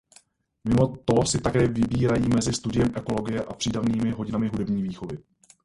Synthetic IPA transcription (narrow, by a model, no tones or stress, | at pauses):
mɪmo̞t̪osɪt̪akɛːvɪbiːɾajiːmɛzɪst̪udɪjɛmʔɛko̞lo̞ɡɪjɛʔapr̥iːdavniːmɪɦo̞ɟɪnamɪɦudɛbɲiːviːxo̞vɪ